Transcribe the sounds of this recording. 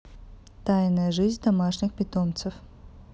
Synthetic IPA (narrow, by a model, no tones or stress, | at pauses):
t̪ajnəjəʐɨzʲd̪ɐmaʂnʲɪxpʲɪt̪omt̪sɨf